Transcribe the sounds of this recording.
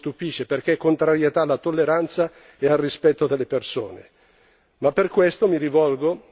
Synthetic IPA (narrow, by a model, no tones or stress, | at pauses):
t̪upiʃːeperk̟ekːont̪ɾaɾjet̪aːlːat̪olːeɾant̪sa | ealrispɛt̪ːod̪elːepersoːnḛ | mapːerkwest̪omiɾivɔlɡo